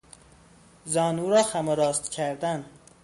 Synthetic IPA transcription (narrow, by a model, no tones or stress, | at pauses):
zɒːnuɾɒːxæmoɾɒːst̪cʰæɾd̪æn